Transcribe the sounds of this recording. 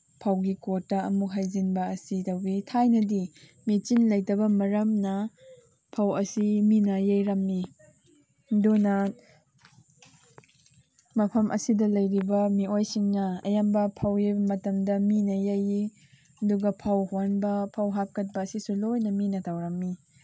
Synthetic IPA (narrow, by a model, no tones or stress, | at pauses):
pʰawɡikotːɐɐmuɦajzinbɐːsitɐwbitʰajnɐdi | mit͡ʃinlɐjtɐbɐmɐɾɐmnɐ | pʰawɐsiminɐjejɾɐmːi | donɐ | mɐpʰɐmʔɐ̰sidɐlɐjɾibɐmiojsiŋnɐɐ̰jambɐpʰawjejbɐmɐtɐmdɐminɐjaji | ɐduɡɐpʰɐwhwanbɐpʰɐwɦap̚kɐt̚bɐːsisulojnɐminɐtʰawɾɐmːi